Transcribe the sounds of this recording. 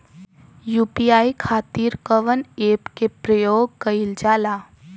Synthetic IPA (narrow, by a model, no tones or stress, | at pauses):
juːpiaːikʰaːt̪iːɾkəʋəneːpkepɾəjoːɡ̚kəild͡ʒaːlaː